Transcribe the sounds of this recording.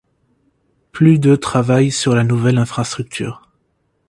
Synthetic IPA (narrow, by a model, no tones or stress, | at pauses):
plyd̪ət̪χavajsyʁlanuvɛlɛ̃fχast̪χyk̚t̪ʰy̰ːʁ